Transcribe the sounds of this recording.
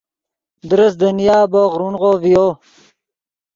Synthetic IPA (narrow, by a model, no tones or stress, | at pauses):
d̪ɾəsd̪ənjaːboʁɾunʁoːvijoː